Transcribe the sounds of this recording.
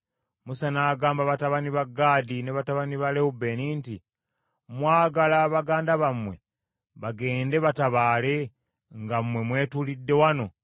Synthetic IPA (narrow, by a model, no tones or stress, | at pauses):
musanaːɡaːmbaβataβaniβaɡːaːdineβataβaniβaleube̞niːnti | mwaːɡalaβaɡaːndaβamwe̞̰ | βaɡe̞ːnde̞βataβaːle̞ | ŋɡamwe̞mwe̞ːtulidːe̞wano̞